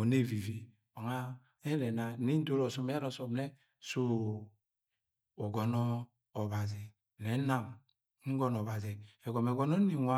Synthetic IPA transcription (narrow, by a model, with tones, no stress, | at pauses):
o˨ne˦˨vi˨vi˨ | a˨ŋa˦ | e˦nɛ˨na˨˦ni˦n̩˦do˦ɾɔ˨sɔ˨m˦a˦ɾɔ˨so˨m˦nɛ˦ | so˦ | o˨ɡɔ˨nɔː˦˨ | βa˨zi˨ | ne˨˦na˦m˦ | ŋ̩˦ɡɔ˦n˨ɔ˨βa˨zi˨e˨ɡɔ˨me˨ɡo˦no˦ni˨ŋʷa˦